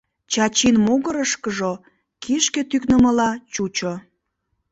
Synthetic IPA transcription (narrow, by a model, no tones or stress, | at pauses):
t͡ɕɑt͡ɕinmuɣəɾəʃkəʒo | kʰiʃket̪yknəməlɑt͡ɕut͡ɕo